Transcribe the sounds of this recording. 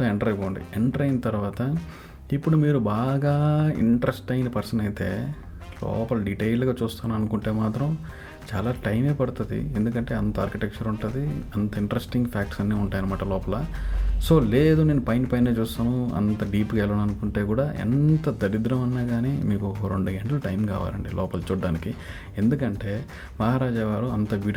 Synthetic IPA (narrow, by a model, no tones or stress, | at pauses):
soːeɳʈɐɾɐjpoːɳɖḭeɳʈɐɾɐjinɐt̪ɐɾuʋaːt̪ɐ | ipːuɽumiːɾubaːɡaːḭɳʈɾesʈɐjnɐpɐɾsɐnɐjit̪e̞̰ː | lɔ̰ːpɐlɐɖiʈejlɡaːt͡ʃuːst̪aːnuɐnukuɳʈe̞ːmaːt̪ɾɐm | t͡ʃa̰ːlaːʈɐjme̞ːpɐɽut̪ud̪ḭe̞nd̪uk̬ɐɳʈe̞ːɐnt̪ɐaːɾkiʈek̚t͡ʃɐɾuɳʈund̪iɐnt̪ɐiɳʈɾesʈiŋɡpʰaːk̚ʈsɐnːiːuɳʈaːjɐnɐmaːʈɐlɔːpɐlaso̞ːle̞ːd̪une̞ːnupɐjnpɐjneːt͡ʃuːst̪aːnuɐ̰nt̪ɐɖiːpkɛlɐːnuɐnukuɳʈe̞ːkuːɽaːʔḛnt̪ɐd̪ɐɾid̪ɾɐmɐnːaːɡaːniːmiːkuɾo̞ɳɖuɡeɳʈluʈɐjmka̰ːʋa̰ːlɐ̰ɳɖilʔɔːpɐlt͡ʃuːɖːaːniki | e̞nd̪ukɐɳʈe̞ː | mɐɦaːɾaːd͡ʒaːʋaːɾuɐnt̪ɐʋi